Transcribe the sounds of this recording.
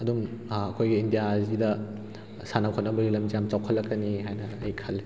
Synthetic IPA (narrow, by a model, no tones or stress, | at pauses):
ɐdumɐkʰojɡiːndijazidɐ | sanɐkʰonːɐbɐɾilɐmzijamt͡ʃawkʰɐlːɐkːɐniɦajnɐːjkʰɐlː